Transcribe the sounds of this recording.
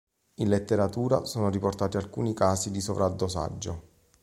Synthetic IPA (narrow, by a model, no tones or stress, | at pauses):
inlet̪ːeɾat̪uːɾasoːnoɾiport̪aːt̪ialkṵːnikaːsid̪isovɾad̪ːosa̰d͡ʒːo